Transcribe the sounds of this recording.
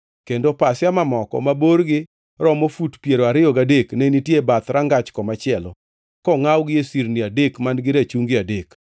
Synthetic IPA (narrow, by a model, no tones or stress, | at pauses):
kendopasɪjamamɔkɔ̰maboɾɡɪ | ɾɔmofutpjeɾoaɾɪjɔɡadeknenitjebat̪ɾaŋɡat͡ʃkɔmat͡ʃɪɛlɔ̰ | kɔŋawɡɪesiɾniadekmanɡɪɾat͡ʃuŋɡɪadek